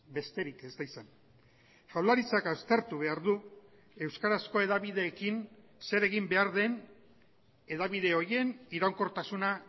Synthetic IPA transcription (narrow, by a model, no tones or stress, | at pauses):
be̞st̪e̞ɾike̞zd̪ajsan | fawlaɾit͡sakawst̪e̞ɾt̪uβ̞e̞aɾðu | e̞wskaɾasko̞e̞ðaβiðe̞ːkinse̞ɾe̞ɣimbe̞aɾðe̞n | e̞ðaβið̞e̞o̞ɾje̞niɾawŋko̞ɾt̪asuna